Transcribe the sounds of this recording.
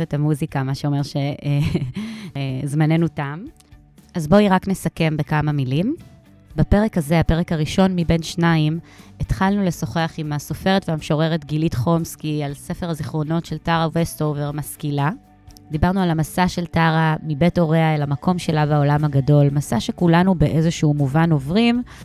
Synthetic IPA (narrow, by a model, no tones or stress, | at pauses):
etamuzikamaʃeo̞me̞ʁʃe̞e | zmane̞nutam | azbo̞iʁakne̞sake̞mbekamamilim | bape̞ʁekhaze̞ape̞ʁekaʁiʃo̞nmibe̞nʃnaimetχalnule̞so̞χeaχimaso̞feʁetveamʃo̞ʁe̞ʁetɡilitχo̞mskialse̞fe̞ʁaziχʁo̞no̞tʃe̞ltaʁawestoveʁmaskila | d̪ibaʁnualamasaʃe̞ltaʁamibeto̞ʁeaelamakʰo̞mʃe̞labao̞lamhaɡado̞lmasaʃe̞kulanube̞ʔezoʃuuːmuvano̞vʁim